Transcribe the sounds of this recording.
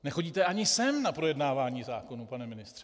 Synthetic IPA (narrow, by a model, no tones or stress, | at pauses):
nɛxo̞ɟiːt̪ɛʔaɲɪsɛmnapɾo̞jɛdnaːvaːɲiːzaːkonupanɛmɪnɪst̪r̥ɛ